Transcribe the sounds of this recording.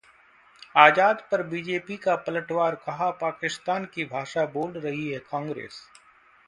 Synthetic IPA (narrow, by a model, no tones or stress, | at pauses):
aːd͡ʒaːd̪pɐɾbiːd͡ʒeːpikapɐləʈʋaːɾkɐɦapaːkɪst̪aːnkibʱaːʃaboːlɾɐɦiɦɛkãːŋɡɾḛːs